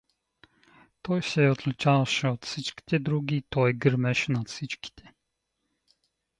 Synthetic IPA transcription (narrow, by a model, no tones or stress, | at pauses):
t̪ɔjsɛɔt̪lt͡ʃalʃot̪sit͡ʃkt̪ʲɛd̪ɾuɡiːt̪ɔjɡɾmɛʃnat̪sit͡ʃktʲɛ̥